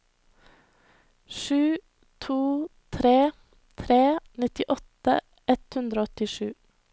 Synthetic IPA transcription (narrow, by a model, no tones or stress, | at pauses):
ʃʉː | t̪ʰuːt̪ʰɾeː | t̪ʰɾeːnɪt̪ɪʔɔt̪ə | ɛt̪hʉnd̪ɾoːɔt̪ɪʃʉ̰ː